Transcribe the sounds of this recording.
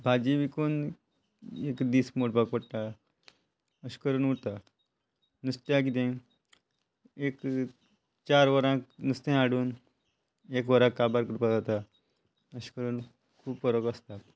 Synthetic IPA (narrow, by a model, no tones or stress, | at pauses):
bʱad͡ʑiʋikon | ekd̪iːsmoɽbak̚pəɽt̪a | əɕkəɾuːnut̪a | nust̪jak̬it̪ẽ | ek | t͡ɕaɾʋəɾãknust̪ẽaɽuːn | ekʋəɾãkːabaɾkɾupad͡zat̪a | əɕkəɾuːn | kʰuːbfəɾəkəst̪a